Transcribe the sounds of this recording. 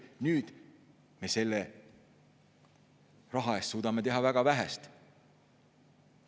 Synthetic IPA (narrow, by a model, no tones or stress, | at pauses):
nyːd̪̥ | me̞se̞lːe | rɑɦɑe̞st̪suːd̪ɑme̞t̪e̞ɦɑvæɡ̥ɑvæɦæ̰st̪